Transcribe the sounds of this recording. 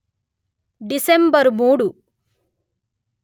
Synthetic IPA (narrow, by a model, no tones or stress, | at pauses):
ɖisembɐɾmuːɽu